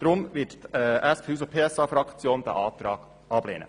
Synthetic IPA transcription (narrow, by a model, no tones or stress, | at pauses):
d̪̥ɾʊmʋɪttɛʔæspyːs̬əpʰeːɛsɑːfɾɑkt͡sjoːnd̪æ̰ʔɑːt̪ɾɑːɡ̥ | ʔɑb̥lḛːnə̰